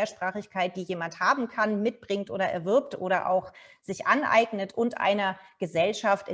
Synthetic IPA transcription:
ɐʃpʁ̥aːχɪçkʰaɪt̚d̥iːjeːmanthaːbm̩kʰanmɪt̚b̥ʁɪŋtʔo̰ːɾɐʔɛ̰ɐvɪɐptʔoːɾɐʔa̰ʊxz̥ɪçʔa̰nʔa̰ɪɡnətʊntʔa̰ɪnɐɡ̥əzɛlʃaftɪ

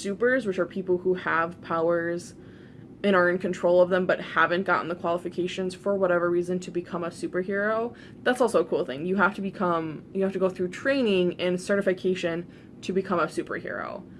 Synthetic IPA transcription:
sʉpə˞zwət͡ʃə˞pʰipl̩ˠhuəv̥pʰaʊə˞z | ɨ̃ɾ̃ə˞ɨ̃nkʰɨ̃ntʰɹ̥oʊlˠʌvðə̃mbʌt̚hævɨ̃nɡ̥ɑ̰ʔn̩ðəkʰw̥ɑlˠəfɨkʰeɪʃɨ̃nz̥fə˞wʌɾɛvə˞ɹizɨ̃ntʰɨbɨkʰʌ̃məsʉpə˞ɦɪɹoʊ | ðætsɔlˠsoʊəkʰulˠθɪ̰̃ŋjɨɦæftɨbɨkʰʌ̃mjɨhæftɨɡoʊθɹʉtʰɹ̥ẽɪ̃nɪ̃ŋɨ̃nsɜ˞ɾɨfɨkʰeɪʃɨ̃n | tʰɨbɨkʰʌ̃məsʉpə̰˞hɪ̰ɹo̰ʊ

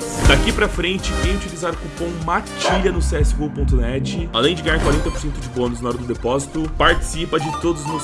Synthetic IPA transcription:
d̪akipɾɐfɾẽnt͡ʃɪkẽj̃t͡ʃivizaɾkupõw̃mat͡ʃiʎɐnʊseɛsɪ̥kowpõnt̪̬ʊnɛt͡ʃɪalẽj̃d͡ʒɪɡɐ̃j̃aɾkwaɾẽnt̪ɐpoɾsẽnt̪ʊd͡ʒɪbõnʊznaɔɾɐd̪ʊd̪epɔzit̪ʊpaɾt͡ʃi̥sipɐd͡ʒɪt̪od̪ʊznɔ

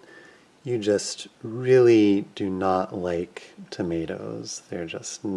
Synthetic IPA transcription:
jɨd͡ʒʌst̚ɹɪlˠidɨnəʔlaɪktʰɨmeɪɾo̰ʊz̥ðə˞d͡ʒʌstn

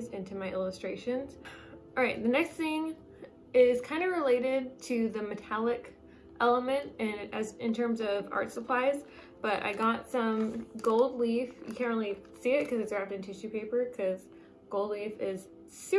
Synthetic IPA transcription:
zɪ̃ntʰʉmaɪʔɪlˠəstɹ̥eɪʃɨ̃nz̥ʔɑɹaɪt̪̚ðɨnɛksθɪ̃ŋ | ɪz̥kʰãɪ̃ndɨɹɨleɪɾɪd̚tʰɨðɨmɨtʰælˠɪk | ʔɛlˠəmɨ̃ntɨ̃nɨzɨ̃ntʰɜ̃˞mzʌvɑ̰ɹtsəpʰl̥aɪz | b̥ʌɾʔa̰ɪɡɑtsʌ̃mɡoʊlˠdˡlifjɨkʰæ̃nõʊ̃lˠisiɪt̚kʰʌzɨtsd̥ɹæp̚tɨ̃ntʰɨʃʉpʰeɪpə˞kʰʌz̥ | ɡ̥oʊlˠdˡlifɪz̥ | sʉ

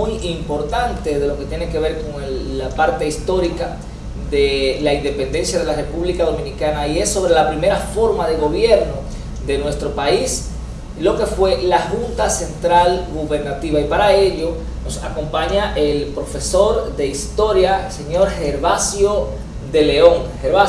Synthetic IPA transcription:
ujimpo̞ɾt̪ant̪e̞ðe̞lo̞ket̪je̞ne̞ke̞β̞e̞ɾkoŋːapaɾt̪e̞ist̪o̞ɾika | ðe̞laind̪e̞pe̞nd̪e̞nsjaðe̞lare̞puβlikaðomĩnikanaie̞sːo̞β̞ɾe̞lapɾime̞ɾafo̞ɾmaðe̞ɣo̞βje̞ɾno̞ | ðe̞nwe̞st̪ɾo̞pais | lo̞ke̞fwe̞lahunt̪ase̞nt̪ɾalɡuβe̞ɾnat̪iβaipaɾae̞ʎo̞ | no̞sako̞mpaɲaʔe̞lpɾo̞fe̞so̞ɾðe̞ist̪o̞ɾjase̞ɲo̞ɾhe̞ɾβasjo̞ | ðe̞le̞o̞ŋheɾβa

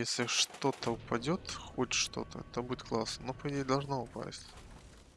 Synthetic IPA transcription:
jesʲlʲɪʂt̪o̞t̪əʊpɐdʲot̪xoʂt̪o̞̰t̪ə̰ɛt̪əbudʲɪt̪klˠasnənopəjdʲed̪ɐlˠʐnoʊpa̰sʲtʲ

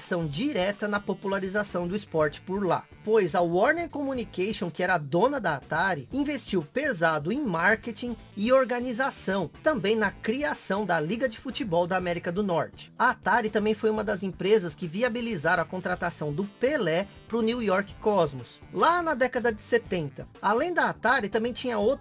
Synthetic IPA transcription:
sɐ̃w̃d͡ʒiɾɛt̪ɐnɐpopulaɾizasɐ̃w̃d̪ʊispɔɾt͡ʃɪ̥pʊɾla̰ | pojzɐwɔɾneɾkomunikejʃõkɪɛɾɐːd̪õnɐd̪ɐat̪aɾɪĩvest͡ʃiwpezad̪ʊẽj̃maɾket͡ʃĩ | ɪoɾɡɐnizasɐ̃w̃t̪ɐ̃mbẽj̃nɐkɾiasɐ̃w̃d̪ɐliɡɐd͡ʒɪfut͡ʃibɔwd̪ɐamɛɾikɐd̪ʊnɔɾt͡ʃɪ̥ɐat̪aɾɪt̪ɐ̃mbẽj̃fojũmɐd̪ɐzẽpɾezɐskɪviabilizaɾɐ̃w̃ɐkõnt̪ɾat̪asɐ̃w̃d̪ʊpelɛ | pɾʊniwjɔɾkɪ̥kɔzmʊs | lanɐd̪ɛkɐd̪ɐd͡ʒɪset̪ẽnt̪ɐalẽj̃d̪ɐːt̪aɾɪt̪ɐ̃bẽj̃t͡ʃĩɲɐow̪

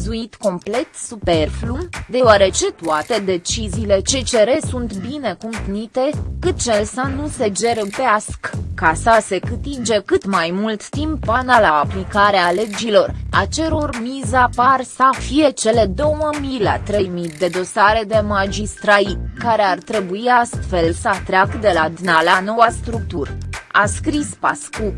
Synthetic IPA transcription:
zuit̪ko̞mple̞t̪supe̞rflumd̪e̞oaɾe̞t͡ʃe̞t̪uat̪e̞d̪e̞t͡ʃiziːle̞t͡ʃe̞t͡ʃe̞ɾe̞sunt̪bine̞kump̪nit̪e̞kɨt̪̚t͡ʃelsanuse̞d͡ʒe̞ɾɨpeaskkasase̞kɨt̪id͡ʒe̞kɨt̪majmult̪ːimpanalaːplikaɾeale̞d͡ʒilo̞ra̰t͡ʃe̞ɾo̞rmizaparsəfije̞t͡ʃe̞le̞d̪o̞wməmilea̰t̪ɾe̞jmid̪e̞d̪o̞saɾe̞d̪e̞mad͡ʒist̪ɾait̪kaɾe̞art̪ɾe̞buiast̪fe̞lsəat̪ɾeakd̪e̞lad̪nalano̞wast̪ɾuk̚t̪uraskɾispasku

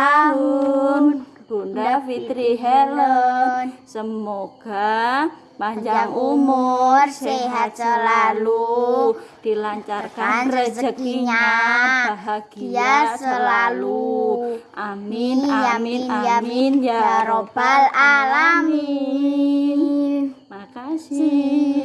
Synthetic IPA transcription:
a | ɡ̥undafiɾiɦɛelənsəmoɡ̥a | paɲɲd͡ʒaŋumʊrseɦasəlalu | d̪̥ilaɲt͡ʃarkaannsəsəəkɲa | ɦaɡijasəlalu | ʔamijaijaiaɾob̥alalami | masi

